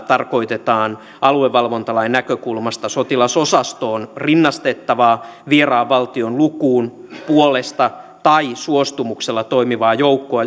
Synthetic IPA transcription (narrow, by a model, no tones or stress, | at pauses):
t̪ɑrko̞it̪et̪ɑːn | ɑlueʋːɑlʋo̞nt̪ɑlɑinːækøkulmɑst̪ɑso̞t̪ilɑso̞sɑst̪oːnrinːɑst̪et̪ːɑʋɑːʋierɑːʋːɑlt̪ionlukuːn | puolest̪ɑ | t̪ɑisuost̪umukselːɑt̪oimiʋɑːjowkːoɑ